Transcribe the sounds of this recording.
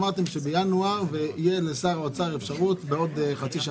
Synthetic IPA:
maʁt̪emʃe̞bejanuaʁveijelesaʁot͡saʁefʃaʁut̪beo̞d̪χat͡siʃa

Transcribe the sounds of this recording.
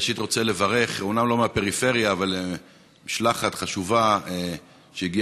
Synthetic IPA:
ʃit̪ʁo̞t͡sele̞vaʁe̞χomnamlo̞meapeʁife̞ʁjaːvale | miʃlaχat̪χaʃuvae | ʃeiɡi

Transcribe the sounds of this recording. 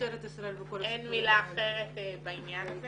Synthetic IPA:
eɾet̪isɾaelbekolʔenmilaːχeʁet̪bainjana

